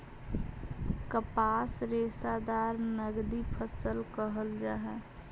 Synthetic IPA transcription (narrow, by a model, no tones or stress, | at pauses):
kəpasɾesad̪aɾnəɡd̪ipʰəsəlkəɦəld͡ʒaɦɛ